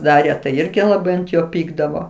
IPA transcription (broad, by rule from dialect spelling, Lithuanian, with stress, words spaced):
ˈdɑːrʲeː tɐɪ ˈɪrʲɡʲɪ lˠɐˈbɐɪ ɐnt ˈjoː ˈpʲiːɡdɐʋoː